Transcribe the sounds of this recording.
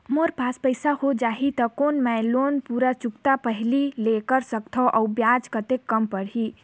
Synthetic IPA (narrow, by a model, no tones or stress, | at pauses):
moɾpaspəjsahod͡ʒaɦit̪əkonmɛlonpuɾat͡ʃukt̪apəɦililekəɾsək̚t̪ʰɔʔaʊbjad͡ʒkət̪ekːəmpəɾɦi